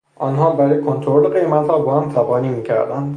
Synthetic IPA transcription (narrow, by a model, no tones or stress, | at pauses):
ʔɒːnɦɒːbæɾɒːjekʰont̪ʰoɾoleɢe̞jmæt̪hɒːbɒːhæmt̪ʰæbɒːniːmiːcʰæɾd̪ænd̪